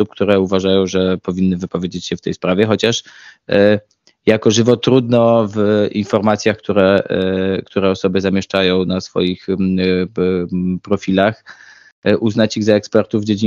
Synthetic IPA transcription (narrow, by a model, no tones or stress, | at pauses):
up̚kt̪uɾɛuvaʐajɔ̃w̃ʐɛpɔvʲinːɘvɘpɔvʲjed͡ʑet͡ɕɕɛft̪ɛ̰jspɾavʲɛxɔt͡ɕaʂ | jakɔʐɘvɔt̪ɾud̪nɔvinfɔɾmat̪sʲjaxkt̪uɾɛ | kt̪ʰuɾɛɔsɔbɘzamʲjɛʂt͡ʂajɔ̃w̃nasfɔ̰jix | pɾɔfʲilax | ʔuznat͡ɕiɣzaɛkspɛɾt̪uvːd͡ʑed͡ʑi